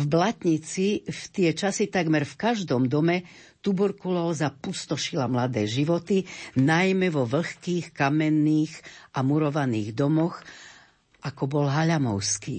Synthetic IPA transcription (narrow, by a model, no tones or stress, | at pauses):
vblat̪ɲit͡sift̪ɪɛt͡ʃasit̪aɡmɛɾfkaʒd̪ɔmd̪ɔmɛ | t̪ubɔɾkulɔlzapust̪ɔʃilamlad̪ɛːʒiʋɔt̪inajmɛʋɔʋl̩xkiːxkamɛnːiːxʔamuɾɔʋaniːɣd̪ɔmɔx | ʔakɔbɔlɦaʎamɔ̰ʊskḭː